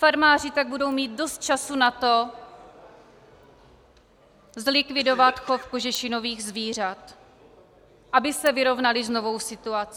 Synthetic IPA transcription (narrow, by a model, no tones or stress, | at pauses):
faɾmaːr̝ɪt̪aɡ̚budo̞wmiːt̪̚do̞st̪̚t͡ʃasunat̪o̞ | zlɪkvɪdo̞vat̪xofkoʒɛʃɪno̞viːɣzviːr̝at̪ | ʔabɪsɛvɪɾo̞vnalɪzno̞vo̞wsɪt̪uat͡sː